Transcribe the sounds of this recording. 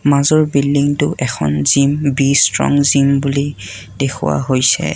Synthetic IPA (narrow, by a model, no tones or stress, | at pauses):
mazɔɹbilːiŋtʊʔɛkʰɔnzimbistɹɔ̰ŋzimbuli | dekʰʊ̰wa̰ɦojsɛ̰